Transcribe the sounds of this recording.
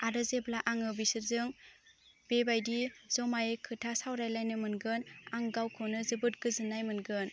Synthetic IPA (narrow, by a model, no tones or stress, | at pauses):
adɯzeblaʔaŋɯbisɯɾzɯŋ | bebajdizɔmajkʰɯtʰasawɾajlajnɯmɯnɡɯnaŋɡawkʰɔnɯzɯbɯt̚ɡ̥ɯzɯnajmɯnɡɯn